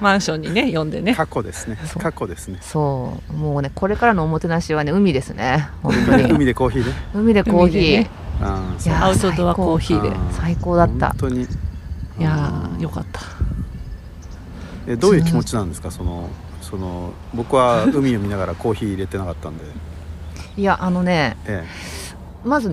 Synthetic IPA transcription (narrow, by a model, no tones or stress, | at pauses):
mãɰ̃ɕõ̞ɲ̟ːine̞jõ̞nd̪e̞̰nekakːo̞d̪e̞sɨ̥ne̞sokakːod̪e̞sɨneso̞ːmoːne̞ko̞ɾe̞kaɾano̞ːmo̞t̪e̞naɕiβ̞ane̞ɯ̟mʲid̪e̞sɨne̞hõ̞nt̪oɲiɯmʲid̪e̞ko̞ːçiːneɯ̟mʲid̪e̞kko̞ːçĩː | sjaaɯ̟t̪ooβakːoːçiːd̪e̞̰saiko̞ːd̪at̪ːa̰t̪oɲi | jajo̞ka̰t̪ːḁ | ed̪oːjɯ̟ːkʲimo̞t͡ɕinãnd̪e̞sɨ̥kaso̞no̰ | so̞no | bo̞kɯβaɯ̟mʲio̞mʲinaɡaɾako̞ːçiːɾe̞t̪e̞nakat̪ːand̪e̞ | iaʔano̞ne̞e | mazɨ